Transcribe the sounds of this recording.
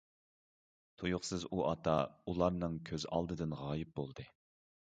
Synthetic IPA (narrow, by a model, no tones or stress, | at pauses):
t̪ʰujʊχsɨzuʔɑt̪ʰɑ̰ulˠɑɾnɨŋkʲʰøzɑ̰lˠd̪ɨd̪ɨnʁɑːjɪp̚bolˠd̪ɨ